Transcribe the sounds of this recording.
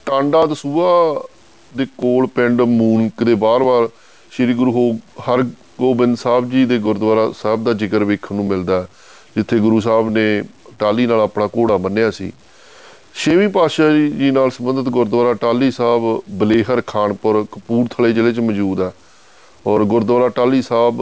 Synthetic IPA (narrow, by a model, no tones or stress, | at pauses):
ʈãːɳɖaːd̪əsuːaː | d̪eːkoːlpɪɳɖmuːnkd̪eːbaːɾbaːɾ | ʃɪɾiːɡʊɾuːɦohəɾ | ɡoːbɪnd̪saːbd͡ʒiːd̪eːɡʊɾd̪ʋaːɾaːsaːb̚d̪aːd͡ʒɪkəɾʋeːkʰnũːmɪld̪aːɛː | d͡ʒɪt̪ʰːeːɡʊɾuːs̬aːbnẽːʈaːliːnaːlaːpɳaːkoːɽaːmənːejaːsḭː | ʃeːmĩːpaːʃaːd͡ʒiːnaːlsəmənd̪ət̪ɡʊɾd̪ʋaːɾaːʈaːliːsaːbbəleːɦəɾkʰaːɳpəɾkəpuːɾt̪ʰəleːd͡ʒəleːt͡ʃmd͡ʒuːd̪ɛː | ɔːɾɡʊɾd̪ʋaːɾaːʈaːliːsaːb